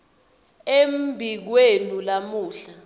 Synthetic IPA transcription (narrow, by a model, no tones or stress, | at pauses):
embʱik̬wenulamuːɬa